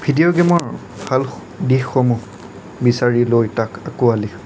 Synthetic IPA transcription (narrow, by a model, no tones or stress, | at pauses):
bʱidijoɡɛmɔɹ | bʱal | dixxomu | bisaɹilojtakakuali